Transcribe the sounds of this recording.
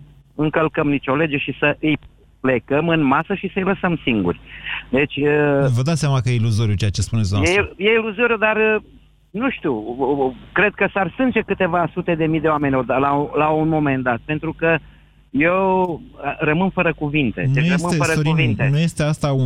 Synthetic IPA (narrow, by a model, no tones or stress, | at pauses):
ɨŋkəlkəmnit͡ʃo̞le̞d͡ʒeʃisəʔɨj | ple̞kəmɨnmasəʃisəɨjləsəmsiŋɡṵrʲd̪e̞t͡ʃʲəvəd̪at̪sjamakəjeiluzo̞ɾjut͡ʃejat͡ʃespunesd̪onejeiluzo̞ɾʲjud̪ar | nuʃt̪iu | kɾe̞d̪̚kəsarsɨnt͡ʃekɨt̪e̞vasut̪e̞d̪e̞mijd̪eoame̞nʲod̪alalaunmo̞me̞nd̪at̪̚pe̞nt̪ɾukə | jew | ɾəmɨnfəɾəkuvint̪e̞̰njrəmɨnfəɾəkuvint̪enujest̪east̪au